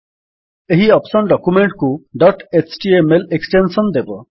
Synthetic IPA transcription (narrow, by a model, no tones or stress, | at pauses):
eɦiɔpsɔnɖɔkumeɳʈkuɖɔʈet͡ʃʰʈiemeleksʈensɔnd̪ebɔ